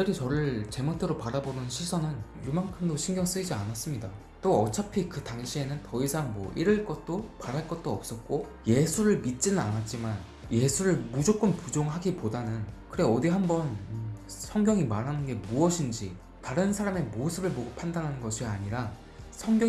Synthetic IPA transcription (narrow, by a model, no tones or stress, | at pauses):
ɯdɯɾit͡ɕʌɾɯɭt͡ɕe̞motʰeɾopaɾabonɯnɕʰisʰʌnɯnjumaŋkʰɯmdoɕʰiŋɡjʌŋs͈ɯid͡ʑianas͈ɯmɲida | t͈oʌt͡ɕʰapʰikɯtaŋɕʰie̞nɯntʌisʰaŋmwʌʔiɾɯɭk͈ʌt̚t͈opaɾaɭk͈ʌt̚t͈oʌp̚s͈ʌt̚k͈o | je̞sʰuɾɯɭmit̚t͡ɕ͈inɯnanat̚t͡ɕ͈iman | je̞sʰuɾɯɭmud͡ʑok͈ɯmpud͡ʑoŋɦaɡipodanɯnkɯɾeʌdiɦambʌn | sʰʌŋɡʲjʌŋimaɾɦanɯnɡe̞muʌɕʰind͡ʑi | taɾɯnsʰaɾame̞mosʰɯbɯɭboɡopʰandanɦanɯnɡʌɕʰiaɲiɾa | sʰʌŋɡjʌ